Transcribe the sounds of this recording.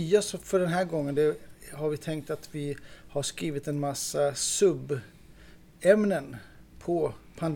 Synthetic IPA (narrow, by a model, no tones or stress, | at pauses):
yːasfœɖɛnɦæːɾɡɔŋːənd̪ɛhaɾvɪt̪ʰɛŋk̚t̪at̪vɪhaʂkɾiːvɪt̪ɛnmasːasɵbː | ɛmnənpʰɔpʰand̪